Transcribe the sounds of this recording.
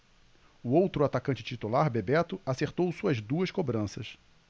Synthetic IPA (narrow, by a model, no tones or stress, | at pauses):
ʊowt̪ɾʊat̪akɐ̃t͡ʃɪt͡ʃit̪ulaɾbebɛt̪ʊaseɾt̪owsuɐzd̪uɐskobɾɐ̃sɐs